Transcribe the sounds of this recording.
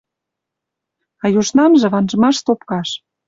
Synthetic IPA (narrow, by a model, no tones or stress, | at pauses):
ɑjuʃnɑmʒĕβɑnʒɤ̆mɑʃt̪opkɑʃ